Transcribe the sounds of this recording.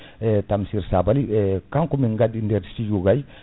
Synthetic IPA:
ɛtamsiɾsabalikaŋkɔminɡadindɛɾtid͡ʒuɡaj

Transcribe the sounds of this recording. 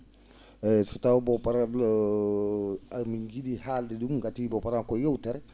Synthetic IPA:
sɔtawbɔpaɾabl | miɡidihaldɛdumɡatibɔpaɾankɔjɛwtɛɾɛ

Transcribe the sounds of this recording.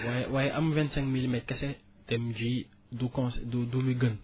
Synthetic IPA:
wawajʔamvɛ̃ntsɛ̃ŋkmilmɛt̚kɛsɛ | tɛmd͡ʒi | dukɔ̃sdudumiɡən

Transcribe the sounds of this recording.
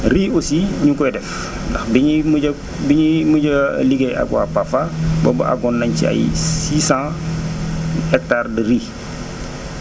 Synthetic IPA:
riːosiɲukɔjdɛf | ndɐxbiɲimuɐ | biɲimuɟɐ̰liɡeja̰ɡwa̰pafabɔ̰bɐ̰ʔa̰ɡɔnːɐɲcḭɐ̰jsiːsãː | ɛk̚taːrdəɾiː

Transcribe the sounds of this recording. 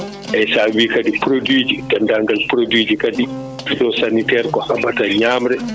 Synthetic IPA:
ʔɛsawiːkadipɾodwiːd͡ʒidandaŋɡalpɾodwiːd͡ʒikadi | pidɔsanitɛɾkɔhamataɲaːmɾɛ

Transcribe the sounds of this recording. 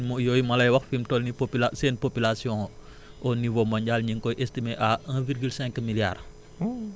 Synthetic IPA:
mojɔjmɐlɐjwɐxfimtɔlnipoplaseːnpopilasijɔ̃ | ʔɔnivomɐɲɟalɲiŋkɔjʔestimeʔaŋviɾɡylsɛ̃ŋkmilja̰r

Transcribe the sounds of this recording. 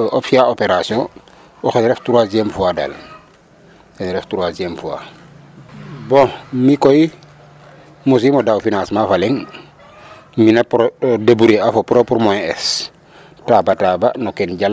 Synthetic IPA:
ʔopsiaopeɾasiõ | oxenɾeftuɾasemfuada̰l | enɾeftuɾasiemfua̰ | bõmikoi | mus̬imodawfinãsmafaleŋ | minepɾodabuɾeafopɾopuɾmoeḛs | tabataba̰nokenɟal

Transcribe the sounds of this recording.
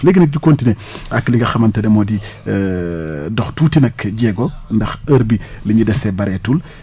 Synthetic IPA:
leɡinɐk̚ɟukoːntinɛ | akːliŋɡɐxɐmɐntɐdɛmɔdi | dɔxtuːtinɐkɟɛɡɔndɐxɐɾbiliɲudɛsɛbɐɾɛtul

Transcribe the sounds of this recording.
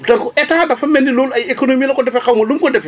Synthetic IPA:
tɐkɔɛtaːdɐfɐmɛndiloːlajekonomiːlɐkɔdɛfɛkawmɐlumkɔdɛfɛ

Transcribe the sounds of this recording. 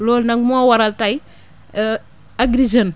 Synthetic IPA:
lolnaŋmoawaɾaltaj | aɡɾid͡ʒan

